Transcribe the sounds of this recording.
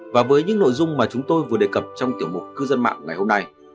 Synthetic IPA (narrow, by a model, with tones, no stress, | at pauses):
vaː˨˩vəː˨˦jɲɨ̰˧˥ŋno̰˧˨jzʊ˧ŋ͡mmaː˨˩t͡ɕʊ˨˦ŋ͡mt̪o˧jvɨ˨˩ə˩ɗe˨˩kə˨˩p̚t͡ɕɔ˧wŋ͡mt̪i˧˩əwmʊ˨˩k͡p̚kɨ˧zə˧nma̰ː˧˨ŋːa˨˩jho˧mna˧j